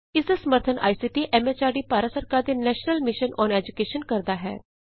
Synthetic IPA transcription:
ɪsd̪aːsəməɾt̪ʰənʔa̰ːisiːʈiːʔɛːmɛːt͡ʃaːɖiːpaːɾəsəɾkaːɾd̪eːnɛːʃnəlmɪʃənɔːnɛːd͡ʒʊkeːʃənkəɾd̪aːɦɛ̰ː

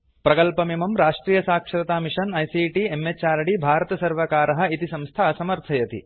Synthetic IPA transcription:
pɾɐkɐlpɐmimɐmɾaːʂʈɾiːjɐsaːkʂɐɾɐt̪aːmiʂɐnɐjsiːʈiemːet͡ʃaːɾɐɽibʱaːɾɐt̪ɐsɐɾʋɐkaːɾɐɦɐ̆it̪isɐ̃mst̪ʰaːɐsɐmɐɾt̪ʰɐjɐt̪ḭ

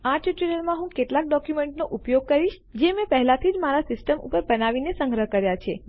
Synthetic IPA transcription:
aʈiʈiləɾmãɦũkeʈlak̚ɖɔkjumeɳʈnoʔupjoɡ̚kəɾiʃ | d͡ʒemɛ̃pəɦlat̪ʰid͡ʒmaɾasɪsʈəmṵpəɾbənaʋinesə̃ŋɡɾəɦkəɾjat͡ʃʰe

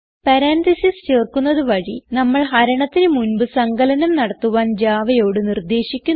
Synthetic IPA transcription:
pɐɾaːnt̪isist͡ɕeːrkunːɐðɨʋɐɻinɐmːɐɭɦɐɾɐɳɐt̪ːinɨmunbɨsɐŋɡɐlɐnɐmnɐɽɐt̪ːuʋaːnd͡ʑaːʋɐjo̞ːɽɨnird̪e̞ːɕikʲːun

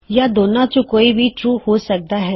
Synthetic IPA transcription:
jaːd̪oːnãt͡ʃõkoːibʱiʈɾuːhoːsək̚d̪aɦɛː

